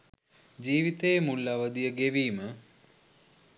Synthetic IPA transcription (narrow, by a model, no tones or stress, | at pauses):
d͡ʒiːʋit̪ejmulːɐʋəd̪ijəɡeʋiːmə